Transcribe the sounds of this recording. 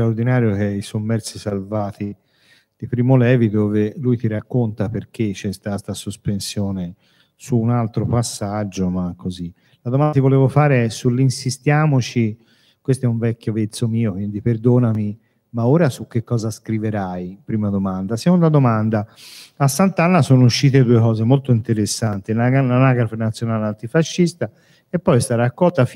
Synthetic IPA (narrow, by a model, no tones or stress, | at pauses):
st̪ɾaoɾd̪inaːɾjokeɛisomːɛɾt̪sisalvaːt̪i | d̪̥ipɾiːmolɛːvid̪oːvelujt̪iɾakːont̪aperk̟et͡ʃːɛst̪ast̪asospensjɔːne | suːnalt̪ɾopasːad͡ʒːomakʰːozi | lad̪omant̪ivoleːvofaːɾeɛsulːinsist̪jaːmot͡ʃi | kwest̪oɛuɱvɛkʲːjovet̪sːomiːokwind̪ipeɾd̪oːnami | maoːɾasukːekːɔːzaskɾiveɾajpɾiːmad̪omand̪asekond̪ad̪omand̪aasːant̪anːasoːnouʃːiːt̪̬ed̪uekɔːzemolt̪oint̪eɾesːant̪inaɡananaɡaɾfenat̪sːjonaːlant̪ifaʃːist̪a | epːɔjst̪aɾaakːɔlt̪af